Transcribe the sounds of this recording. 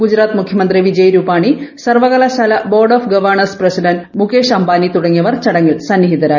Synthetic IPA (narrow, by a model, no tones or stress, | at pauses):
ɡud͡ʑɾaːt̪mukʰjɐmɐnd̪riʋid͡ʑɐjɾuːpaːɳisɐrʋɐɣɐlɐsɐlɐboːrɖoːfɡɐʋɐrɳɐrsprɐsiɖɐnmukeːʂɐmbaːnit̪uɽɐŋːijɐʋɐrt͡ɕɐɽɐŋːilsɐnːiɦit̪ɐɾaː